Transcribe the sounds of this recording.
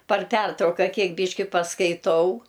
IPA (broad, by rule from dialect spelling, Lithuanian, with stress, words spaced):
pɐr ˈpʲɛrtrɐʊkɐ ˈkʲiɛk ˈbʲiːʃʲkʲɪ pɐskɐɪˈtɐʊ